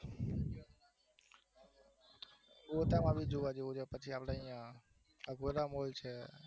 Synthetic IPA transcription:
oːt̪aːmãːbʱiːd͡ʒoːʋaːd͡ʒeõd͡ʒopət͡ʃʰiaːpɽãːijã | əɡʱoɾaːmoːlt͡ʃʰeː

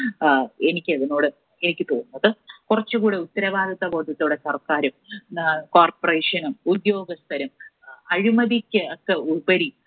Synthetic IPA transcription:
enikʲːɨɐðino̞ːɽɨ | enikʲːɨt̪o̞ːnːɐðɨkurɐt͡ɕːukuːɽeut̪ːɐɾɐbaːd̪ɐt̪ːɐbo̞ːʈ̪ːɐt̪ːɽesɐrkaːɾum | koːrporeːʂɐnumud̪jo̞ːɡɐst̪ʰɐɾɐmɐɻimɐðikʲːɨɐkːeubɐɾi

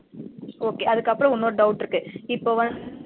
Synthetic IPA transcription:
oːkeːɐðɯkːɐpːɯɾɐ̃ʊnːoːɾɯɖɐʊʈːɪɾɯkːɯɪpːoːʋɐ

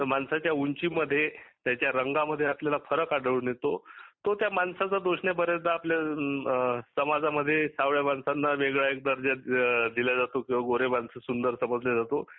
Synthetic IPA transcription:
t̪əmansat͡ɕjauɲt͡ɕiməd̪ʱːjet̪jat͡ɕjaɾəŋɡaməd̪ʱːjeapljalafʰəɾəkaɽəɭunjet̪ot̪ot̪jamansat͡səd̪oɕɳebəɾet̪̚d̪aaplja | səmad͡zaməd̪ʱːjesaʋɭjamansanːaʋeɡɭaek̚d̪əɾd͡ʑad̪iljad͡zat̪okĩw̃ʋaɡoɾemansəsund̪əɾsəməd͡zljad͡zat̪o

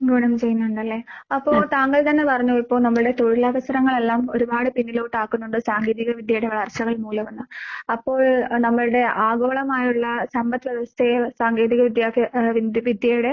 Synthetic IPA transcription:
ɡuɳɐmt͡ɕe̞junːuɳɖɐlːe̞ːɐpːo̞ːɭt̪aːŋɡɐɭt̪ɐnːe̞pɐrɐɲːuɐɭpːo̞ːɭnɐmːɐɭɨɽe̞t̪o̞ɻilɐʋɐsɐɾɐŋːɐɭe̞lːaːmo̞ɾubaːɽɨpinːilo̞ːʈːaːkːunːuɳɖɨsaːŋɡe̞ːðiɣɐʋid̪ʱjɐjuɽeʋɐɭɐrɕɐɣɐɭmuːlɐmɐnːɨɐpːo̞ːɭnɐmːɐɭɨɽe̞ʔaːɡo̞ːɭɐmaːjuɭːɐsɐmbɐt̪ːʋɐʋɐst̪esaːŋɡe̞ːðiɣɐʋid̪jaːkːɐʋiʋid̪jɐjuɽe̞

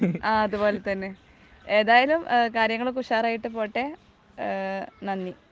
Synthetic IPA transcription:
aːɐðubo̞ːlet̪ɐnːe | eːðaːjɐlumkaːɾjɐŋːɐɭokuʂaːraːjiʈːɨpo̞ːʈːe | nɐnːi

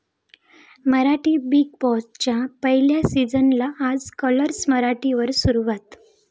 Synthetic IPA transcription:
məɾaʈiːbiɡ̚pɔst͡ɕjapəɦiljasid͡zənlaʔːd͡zkələɾsməɾaʈiʋəɾsuɾuʋat̪

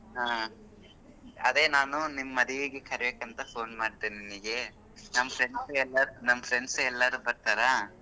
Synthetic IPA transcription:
ɦaː | ɐd̪e̞ːnaːnunimɐɐd̪iʋiɡekʰɐɾɛbeːkɐnt̪ɐpʰo̞ːnmaːɽit̪ininiɡe̞ | nɐmːɐpʰɾeɳsɛlːɐɾnɐmːɐpʰɾeɳɖsɛlːɐɾubɐɾt̪aːɾa

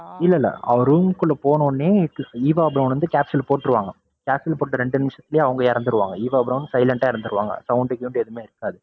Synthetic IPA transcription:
ɪlːɐlːɐ̰ɐ̰ɐɾuːŋkʊɭːɐpoːnoːnːeːiːʋaːɐbɪɾɐnʋɐnd̪ɯkʲaːpsɪlpoːʈːɪɾɯʋa̰ːŋɡɐ | kaːpsɪlpoːʈːɐɾɛɳɖɯnɪmʂɐt̪ːɪlɪjeːɐʋɐŋɡɐɪɾɐnd̪ɯɾɯʋa̰ːŋɡɐiːʋaːɐbɾɐʋnːɯsɐɪlɛɳʈaːɪɾɐnd̪ɯɾɯʋa̰ːŋɡɐ̰sɐʊɳɖɯkjuːɳɖɯɛðɯmeːɪɾɯkːaːðɯ

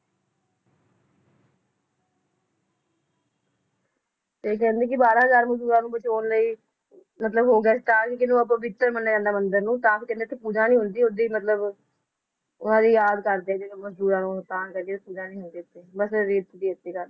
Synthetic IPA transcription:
t̪eːk̬ɛ̃ːnd̪eːkɪbaːɾãːɦəzaːɾməsd̪uːɾãːnũːbət͡ʃoːnləiː | mət̪ləbɦoːɡɛːst̪ãːkikɪnũːəpãbɪt̪ːəɾmənːkɛ̃nd̪aːmənd̪əɾnũːt̪ãːpʰɾkɛ̃nd̪eːt̪ʰeːpuːd͡ʒãːnĩːɦʊnd̪iːod̪iːmət̪ləb | ʊnãːd̪iːjaːd̪kəɾd̪eːt̪eməsd̪uːɾãːnũːt̪ãːnkəd̪eːt̪eːpuːd͡ʒãːnĩːɦʊnd̪iːt̪ːeːbəsɾeːt̪d̪iːət̪ːeːkəɾe

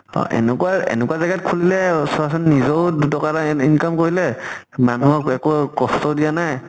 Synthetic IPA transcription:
ɔ̰ʔɛ̰nɛkuaɛ̰nɛkuwazaɡat̚kʰulilɛsɔasɔnːizodutɔkatainkamkoɹilɛ | manuɔɛkokɔstɔdijanaj

